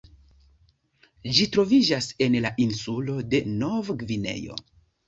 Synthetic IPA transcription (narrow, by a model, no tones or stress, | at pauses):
ʒitɾo̞vid͡ʒase̞nlaʔinsulo̞de̞no̞vɡvine̞̰jo̞̰